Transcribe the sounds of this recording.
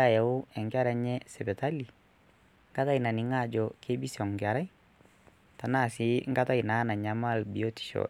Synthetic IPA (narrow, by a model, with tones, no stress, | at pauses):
a˨ja˨ʊ˦ɛ˨ŋɡa˦ɾa˨ɲɛ˦sɛ˨bɛ˨ta˦li˨ | ŋɡa˦ta˦ina˨ni˨˦ŋa˦˨d͡ʒɔ˨ke˦bi˦sɔ˨ŋɡɪa˨ɾa˦j | ta˨na˦˨si˦ŋɡa˦ta˦i˨na˨˦na˨ɲa˨ma˦˨lbi˨o˦ti̥˨ʃɔ̰˨